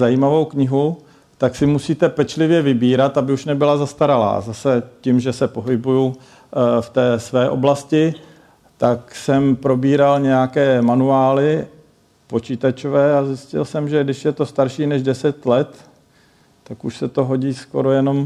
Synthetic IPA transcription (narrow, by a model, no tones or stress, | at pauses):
zajiːmavo̞wkɲɪɦu | t̪aksɪmusiːt̪ɛpɛt͡ʃlɪvjɛvɪbiːɾat̪abɪuʃnɛbɪlazast̪aɾala̰ːzasɛcɪmʒɛsɛpo̞ɦɪbuju | ft̪ɛːsvɛːʔo̞̰blascɪ | t̪aksɛmpɾo̞biːɾalɲɛjakɛːmanuaːlɪ | po̞t͡ʃiːt̪at͡ʃovɛːazɪscɪ̰lsɛmʒɛɡdɪʃjɛt̪o̞st̪aɾʃiːnɛʒdɛsɛt̪lɛt̪ː | akuʃsɛt̪o̞ɦo̞ɟiːsko̞̰ɾo̞jɛno̞m